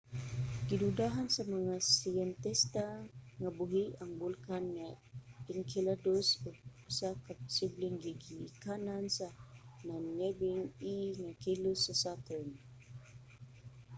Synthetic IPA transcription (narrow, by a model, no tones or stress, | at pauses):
ɡ̥idudaɦansamaŋasiɛnt̪ɛst̪aŋabuɦiaŋbulkanŋaiŋkʰiladʊsʊɡ̚u̥sakapʊ̥sibliŋɡiɡikanansananjɛbiŋiŋakilʊsasat̪ɛn